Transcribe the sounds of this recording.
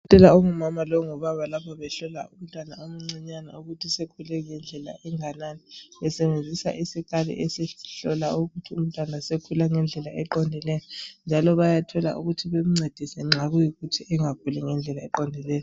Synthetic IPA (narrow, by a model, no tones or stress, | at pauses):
tʼɛlaɔŋumamalɔŋɔβaβalapʰaβɛɬɔla̰um̩tʼwana̰omuŋ͡ǀiɲana̰uɣutʰisekʰulɛŋɛnd͡ɮʱɛla̰ʔɛŋananiβɛsɛβend͡zʱisa̰ʔisiɣalḭʔɛseɬɔlauɣutʰium̩tʼwanasekʰulaŋɛnd͡ɮʱɛlaʔɛǃɔndʱɛlɛjɔnd͡ʒʱalɔβajatʰɔla̰ʔṵɣutʰiβem̩ŋ͡ǀed̥ʱisɛŋ͡ǁʱaɣujiɣutʰiʔɛŋak̚ʰulɛŋɛnd͡ɮʱɛlaɛǃɔndʱɛlɛːjɔ